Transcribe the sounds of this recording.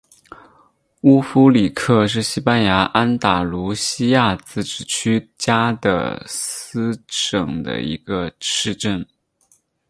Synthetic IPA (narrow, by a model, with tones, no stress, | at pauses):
u˥fu˥li˨˩kʰɤ˥˧ʂ̬ɻ̩˥˩ɕi˥pa˥nja˧˥ʔa˥nt̪a˨˩lu˧˥ɕi˥ja˥˧t͡sɹ̩˥˩ʈ͡ʂɻ̩˨˩t͡ɕʰy˥t͡ɕja˥d̪ə̰˨˩sɹ̩˥ʈ͡ʂɤ˨˩ŋd̪ə̰˧˩ḭ˧˥ɡ̥ə˧ʈ͡ʂʰɻ̩˥˧ʈ͡ʂə˥˩n